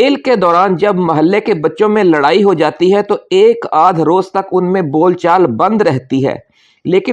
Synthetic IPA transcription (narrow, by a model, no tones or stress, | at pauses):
ɪlkːed̪ɔːɾaːnd͡ʒɐbmɐɦəlːekebɐtːʃõmẽlɐɽaːiɦod͡ʒaːt̪iɦɛt̪oeːkaːd̪ʱɾoːzt̪ɐkʊnmẽboːlt͡ʃaːlbɐ̃nd̪ɾɛɦt̪iɦɛ̰ː | leːkɪ